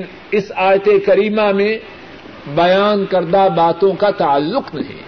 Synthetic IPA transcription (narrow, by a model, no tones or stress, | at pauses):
n | ɪsaːjt̪ekɐɾiːmamẽ | bɐjaːnkɐɾd̪abaːt̪õkat̪ɐəlːʊqnɐɦḭ̃ː